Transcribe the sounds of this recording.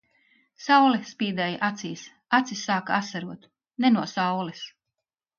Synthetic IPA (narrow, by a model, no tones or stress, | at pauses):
sawlɛspiːd̪ɛjʔat̪siːs | at̪sisːaːkaasaɾuɔt̪ | nɛnuɔsawlis